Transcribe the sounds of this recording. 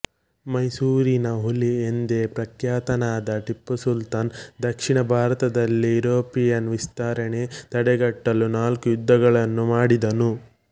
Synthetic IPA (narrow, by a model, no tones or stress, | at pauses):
mɐjsuːɾinɐɦuliend̪epɾɐkjaːt̪ɐnaːd̪ɐʈipːɐsult̪aːnd̪ɐkʂiɳɐbʱaːɾɐt̪ɐd̪ɐlːiiɾoːpijɐnʋist̪aːɾɐɳe̞t̪ɐɽɛɡɐʈːɐlunaːlkujud̪ːɐɡɐɭɐnːumaːɽid̪ɐnu